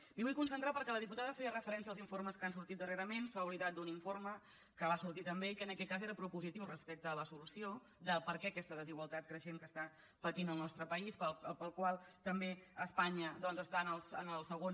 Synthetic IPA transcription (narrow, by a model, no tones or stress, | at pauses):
miβujkunsənt̪ɾapəɾkɛləðiput̪aðəfeərəfəɾɛnsiəlˠziɱfoɾməskansuɾt̪it̪̚d̪əreɾəmensauβliðat̪̚d̪uniɱfoɾmə | kəβasuɾt̪it̪əmbeikəːnəkɛt̪̚kazeɾəpɾupuzit̪iwrəspek̚t̪əːləsulusio | d̪əlˠpəɾkɛəkɛst̪əðəziɣwəlˠt̪at̪̚kɾəʃemkəst̪a | pət̪inəlˠnɔst̪ɾəpəispəəpəlˠkwalˠt̪əmbeəspaɲəd̪ɔnzəst̪aənəlˠsə̰nəlˠsəɣon